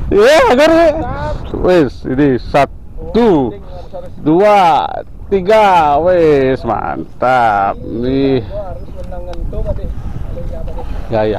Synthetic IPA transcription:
iaɡɔɾe | wesḭdisat̪ | u | dua | t̪iɡawesma̰nt̪ani | jaja

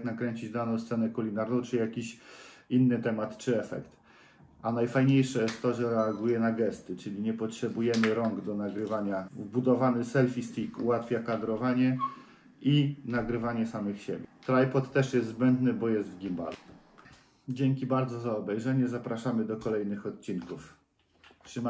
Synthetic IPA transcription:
knakɾɛɲt͡ɕid͡ʑd̪anɔ̃wst̪sɛnɛkulʲinaɾnɔ̃w̃t͡ʂɘjakʲiɕinːɘt̪ɛmat̪t͡ʂɘɛfɛ̰kt̪ | anajfajɲejʂɛjɛst̪t̪ːɔʐɛɾɛaɡujɛnaɡɛst̪ɘt͡ʂɘlʲiɲɛpɔtʂɛbujɛmɘɾɔŋɡd̪ɔnaɡɾɘvaɲavbud̪ɔvanɘsɛlfʲist̪ikuwat̪fʲjakad̪ɾɔvaɲɛ | inaɡɾɘvaɲɛsamɘxɕebʲjɛt̪ɾajpɔt̪ːɛʂjɛst̪zbɛnd̪nɘbɔjɛst̪vɡʲimba̰lu | d͡ʑeŋkʲibaɾd̪zɔzaɔbɛjʐɛɲɛzapɾaʂamɘd̪ɔkɔlɛjnɘxɔt̪̚t͡ɕinkuf | tʂɘma

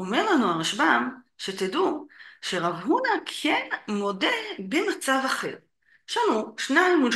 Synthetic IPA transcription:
omeʁlanuaʁaʃbam | ʃe̞t̪eduʃe̞ʁavɦunakʰenmo̞de̞bemat͡savaχe̞̰ʁ | ʃanuʃnaimud

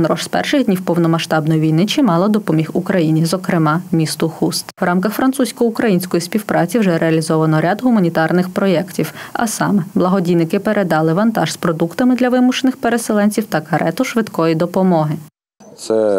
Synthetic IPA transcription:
nɾɔʒspɛ̰rʃɪɣd̪ʲnʲiwpɔwnɔmɐʃt̪ɑbnɔjiʋʲijnɪt͡ʃɪmɑlˠɐd̪ɔpɔmʲixukɾɐjinʲizɔkɾɪmɑmʲist̪ʊxust̪wrʔɑmkɐxfɾɐnt̪susʲkɔjʊkɾɐjinʲsʲkɔjisʲpʲiwpɾʔɑt͡sʲiwʒɛɾʔeɐlʲizɔʋɐnɔɾʲad̪ɦʊmɐnʲit̪ɑrnɪxpɾɔjɛktʲiwɐ̰sɑ̰mɛblˠɐɦɔdʲijnɪkɪpeɾʔed̪ɑlˠɪʋɐnt̪ɑʒspɾɔd̪ukt̪ɐmɪd̪lʲɐʋɪmʊʃenɪxpeɾeselˠɛnʲt͡sʲiwt̪ɐkɐɾʔɛt̪ʊʃʋɪd̪kɔjid̪ɔpɔmɔɦɪ | t̪sɛ

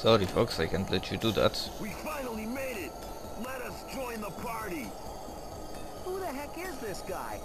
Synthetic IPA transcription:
sɔɾifɔksaɪkʰɛ̃ntlɛt͡ʃuduðæ̰twifãɪ̃nl̩ˠimeɪɾɪt̚ | lɛɾʌsd̥d͡ʒ̥ɔ̃ɪ̃nðəpʰɑɹɾi | huðəɦɛkɪzðɪsɡ̥aɪ

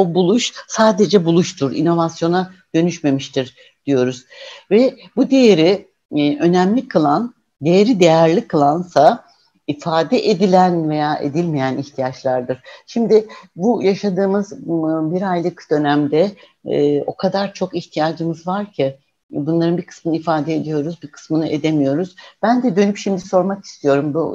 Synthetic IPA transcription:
obulˠuʃsaːd̪e̞d͡ʒɛbulˠuʃt̪ʰuɾḭno̞vasjo̞nad̪̥ø̞nyʃme̞miʃt̪ʰiɾ | d̪̥ijo̞ɾuz̥vɛbud̪e̞jeɾi | ʔø̞næmlʲikʰɯlˠan | d̪e̞jeɾid̪e̞jæɾlʲikʰɯlˠansa | ifaːd̪ɛʔed̪ilʲænve̞jaːʔe̞̰d̪ilʲmejæniçt̪ʰijat͡ʃlˠaɾd̪ɯɾ̥ʃimd̪ɪbujaʃad̪ɯːmɯzbiɾajlˠɯkd̪̥ø̞næmd̪ɛ | o̞̰kʰad̪aɾt͡ʃʰo̞kiçt̪ʰijaːd͡ʒɯmɯzvaɾcʰi | bunlˠaɾɯnbikʰɯ̥smɯnɯifaːd̪ɛːd̪ijo̞ɾuzbikʰɯ̥smɯnɯʔe̞d̪e̞mijo̞ɾuzb̥ænd̪ɛd̪ø̞nypʃimd̪iso̞ɾmaki̥st̪ʰijo̞ɾumbṵ

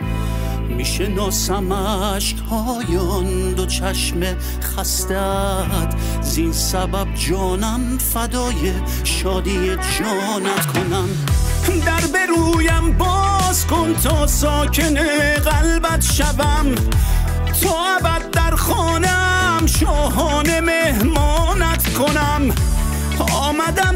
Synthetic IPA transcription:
miːʃenɒːsæmæ | ʃkhɒː | jɔn | d̪ot͡ʃʰæʃme | χæst̪æ | d̪̥ | zinsæbæb̚d͡ʒɒːnæm | fæd̪ɒːje | ʃɒːd̪ied͡ʒɔː | næt̪kʰonæm | d̪æɾbeɾuːjæmbɒːzkont̪ʰɔːsɔːkʰeneɣælbæt̪ʃævæm | t̪ʰɒːæbæd̪̚ːæɾχɔːnæ | mʃɒːɦɔːnemehmɔːnæt̪ʰkʰonæm | ɒːmæd̪æm

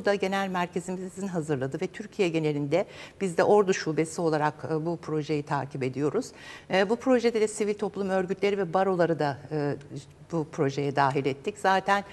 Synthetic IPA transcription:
ud̪aɟe̞nælʲmæɾcʰe̞zimizzinɦazɯɾlˠad̪ɯvɛt̪ʰyɾcʰijɛɟe̞nelʲind̪ɛb̥izd̪ɛʔo̞ɾd̪aʃube̞sio̞lˠaɾakːbupʰɾo̞ʒe̞jit̪ʰaːcʰibe̞d̪ijo̞ɾuz̥ːbupʰɾo̞ʒed̪ɛd̪ɛsivilʲt̪ʰo̞plˠumø̞ɾɟyt̪ʰlʲe̞ɾivɛbaɾo̞lˠaɾɯd̪aɯː | bupʰɾo̞ʒe̞jɛd̪aːɦilʲɛt̪ʰːicz̥aːt̪ʰæn

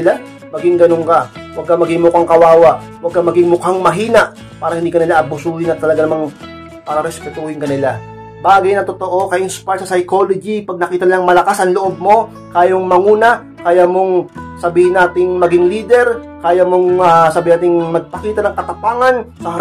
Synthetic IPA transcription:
ɪla | mɐɡɪŋɡɐnoŋkɐwɐɡ̚kamɐɡɪŋmʊkaŋkɐwaːwɐʔwɐɡ̚kamɐɡɪŋmʊkaŋmɐɦiːnɐʔ | paːɾɐhɪnd̪ikɐnɪlaʔɐbʊsuːhɪnɐt̪ːɐlɐɡanɐmaŋ | paːɾɐɾɛspɛt̪uːhɪŋkɐnɪla | baːɡɐjnɐt̪o̞t̪o̞ʔo̞kɐʔɪnspaɹsɐsɐjko̞lod͡ʒipɐɡ̚nɐkiːt̪ɐnɪlaŋmɐlɐkasɐŋloʔob̚mo̞ | kaːjoŋmɐŋuːnɐ | kɐjamo̞ŋsɐbiːhɪnːaːt̪ɪŋmɐɡɪŋliːd̪ɛɾ | kaːjamo̞ŋɐsɐbiːɪnaːt̪ɪŋmɐɡ̚pɐkiːt̪ɐnɐŋkɐt̪ɐpaːŋɐnsɐ

